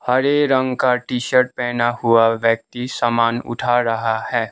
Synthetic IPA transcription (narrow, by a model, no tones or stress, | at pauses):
hɐɾeɾɐ̃ŋɡkaʈiːʃəɾʈ̚pɛːnahʊaʋjək̚t̪isamaːnʊ̰ʈʰaɾɐɦahɛː